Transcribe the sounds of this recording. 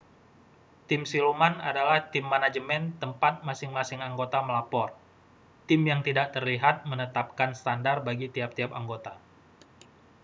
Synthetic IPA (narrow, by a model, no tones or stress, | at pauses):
t̪ɪmsilumana̰dalaht̪ɪmːanad͡ʒəmɛnt̪əmpat̪̚masɪŋmasɪŋaŋɡot̪aməlapɔr | t̪ɪmjaŋt̪idaʔt̪ərliɦat̪̚mənət̪ap̚kansə̥t̪andarbaɡit̪iap̚t̪iapaŋɡot̪a